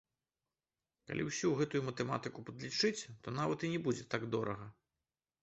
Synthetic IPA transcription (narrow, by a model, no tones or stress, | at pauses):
ka̰lʲiwsʲuɣɛt̪ujumɐt̪ɛma̰t̪ɨkupɐd̪lʲit͡ʂɨt͡sʲt̪ɔnavɐt̪inʲɛbud͡zʲɛt̪aɡd̪ɔɾɐɣɐ